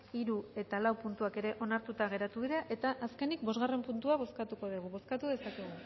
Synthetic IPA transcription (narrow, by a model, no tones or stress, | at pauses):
iɾue̞t̪alawpunt̪uake̞ɾe̞ʔo̞naɾt̪ut̪aɣ̞e̞ɾat̪uβiðeʔe̞t̪aʔːske̞nikbo̞zɣare̞mpunt̪uaβ̞o̞skat̪uko̞ðiɣ̞uβo̞skat̪uðe̞sakeɣ̞u